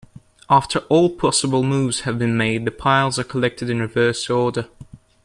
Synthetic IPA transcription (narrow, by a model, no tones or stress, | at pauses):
ʔɑˑftʰəɹʔɔːlˠpʰɒsəbəlˠmuːvz̥həvbĩnmeɪd̪̚ðəpʰaɪlˠzəkʰəlɛk̚tʰɪdɪ̃nɹɪvɜˑsɔːdə